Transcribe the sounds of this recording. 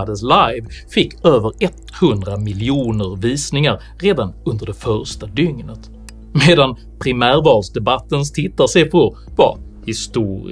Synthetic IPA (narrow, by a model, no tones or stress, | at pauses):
d̪ənslajvfɪkːøːvəɾɛt̪hɵnd̪ɾamɪlɪuːnəɾviːsnɪŋaɾːeːd̪anɵnd̪əɖɛfœɾʂʈad̪ʏŋnət̪ | meːd̪an | pʰɾɪmæːɾvɑːlsd̪ɛbat̪ːəns̬t̪ʰɪt̪ːasɛpʰɔ | va̰ | hɪst̪uːɾ̰